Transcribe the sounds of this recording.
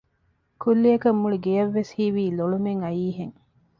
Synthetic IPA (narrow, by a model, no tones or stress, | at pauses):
kulːiɐkɐmːuɭiɡejɐʋːeshiʋiːloɭumeŋɐjiːɦeŋ